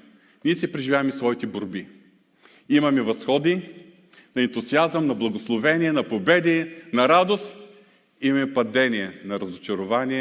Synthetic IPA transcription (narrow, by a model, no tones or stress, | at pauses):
niɛsɛpɾɛʒivʲjavɐmisvɔit̪ɛboɾbi | imɐmɛvɐsxɔd̪i | nɐɛnt̪ʊziazəmnɐblˠɐɡoslˠovɛnʲiɛnɐpobɛd̪inɐɾad̪ost̪ | imɐmɛpɐd̪ɛniɛnɐɾɐzʊt͡ʃɐɾʊvaniɛ